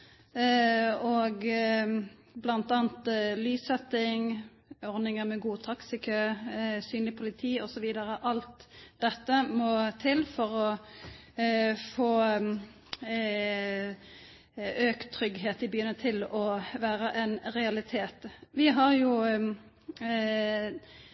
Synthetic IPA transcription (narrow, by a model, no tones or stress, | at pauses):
ɔɡ | blɑnt̪ɑːnt̪lyːsɛt̪ːɪŋ | ɔʁnɪŋəmɛɡuːt̪ʰɑksɪkʰøːsyːnlɪpʰʊlɪt̪ʰiːɔsɔʋiːd̪əɾəʔɑlt̪d̪̥ɛt̪ːəmɔt̪ʰɪlfɔʁɔ | foː | øːkt̪ʰːɾʏɡɦeːt̪ɪbyːənət̪ʰɪlɔʋæːɾəʔɛnʁɛɑlɪt̪ʰeːt̪ʋɪɦɑʁjʊ